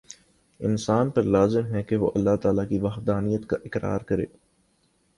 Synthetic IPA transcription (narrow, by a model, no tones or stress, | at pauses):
ɪ̰nsaːnpɐɾlaːzɪmɦɛkeʋoːʔɐlːaɦt̪aːlakiʋɐxd̪aːnijət̪kaʔɪkɾa̰ːɾkɐɾḛː